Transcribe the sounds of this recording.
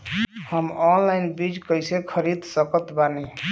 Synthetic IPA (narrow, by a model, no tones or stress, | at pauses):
həmɔnlajnbid͡ʒkəjsẽkʰəɾid̪ʱsəkət̪bane